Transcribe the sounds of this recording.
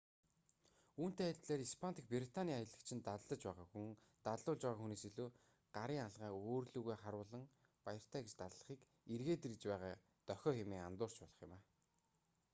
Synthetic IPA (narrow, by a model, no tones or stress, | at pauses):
uːn̥t̪eːajɮt̪ɮeːɾispʰant̪ĭ̥k̚priɾit̪ʰaniːajə̆ɮə̆kt͡ɕʰɪ̆nt̪aɮə̆t͡ɕpæːʁaːxu | t̪aɮʊːɮt͡ɕpæːʁaːxuneːsiɮuː | ɢ̥aɾiːŋaɮʁaːoːrɮuːɣeːχaɾʊːɮə̆ŋ | pajə̆r̥t̪ʰæːɡet͡ɕt̪aɮɮə̆χiːk | erɣeːt̪erɘ̆t͡ɕpæːʁaː | t̪œxʲɔːxɪmeːŋa̰nt̪ʊːr̥t͡ɕpɔɮɞ̆χjʊ̰̆maː